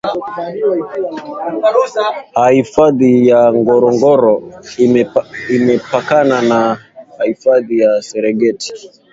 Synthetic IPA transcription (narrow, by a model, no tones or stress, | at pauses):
hahifaðijaŋɡɔɾɔŋɡɔɾɔ | imɛpakananahahifaðijasɛɾɛɡɛti̥